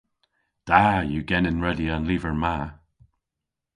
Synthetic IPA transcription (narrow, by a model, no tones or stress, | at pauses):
d̥ajuɡɛnɪnɹɛdiə̃nliːvəɹma